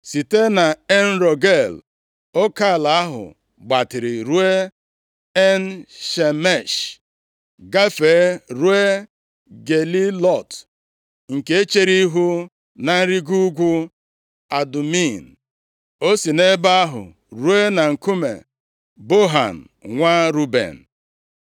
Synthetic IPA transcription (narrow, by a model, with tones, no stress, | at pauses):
si˨te˦na˨e˦n̩˦ɾo˨ɡe˦˨l | o˦ka˦˨la˨a˦ɦʊ̰˨ | ɡ͡ba˨tɪ˨ɾɪ˨ɾu˦e˦ | e˦n̩˦ʃe˨me˦˨ʃ | ɡa˦fe˨˦ɾu˦e˦ | ɡe˨li˦lɔ˦˨t | ŋ̩˨ke˦e˦t͡ʃe˦ɾi˦ɦu˦ | na˨n̩˦ɾi˦ɡu˦ɡʷu˦ | a˨du˨mi˦˨n̩˨ | o˦si˨ne˦ba˦a˦ɦʊ̰˨ | ɾu˦e˦na˨ŋ̩˨ku˦mḛ˨ | bo˦ɦa̰˨n̩˨ŋʷa˦ɾu˦bḛ˨n̩˨